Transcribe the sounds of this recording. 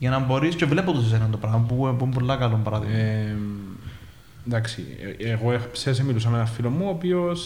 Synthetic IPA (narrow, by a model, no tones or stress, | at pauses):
jɐnɐmbo̞ɾiscevle̞pot̪usis̬eɾɐnt̪opɾɐmɐpupumpolːɐkɐlompɐɾɐðḭɣ | d̪ɐksḭeɣoepses̬emilus̬ɐmenɐfilomːuopios